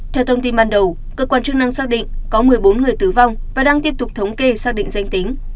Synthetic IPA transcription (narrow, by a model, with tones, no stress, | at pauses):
t̪ʰɛ˧wt̪ʰə˧wŋ͡mt̪i˧nɓaː˧nɗə˨˩w | kəː˦˥kwaː˧nt͡ɕɨ˧ŋna˧ŋsaː˦˥k̚ɗḭ˧˨ŋ̟kɔ˨˦mɨ˨˩əjɓo˨˦nŋɨ˨˩əjt̪ɨ˧˩va˧wŋ͡mvaː˨˩ɗaː˧ŋt̪i˦˥əp̚t̪ʊ˨˩k͡p̚t̪ʰə˨˦wŋ͡mke˧˩saː˥k̚ɗḭ˧˨ŋ̟za˧jŋ̟t̪i˨˦ŋ̟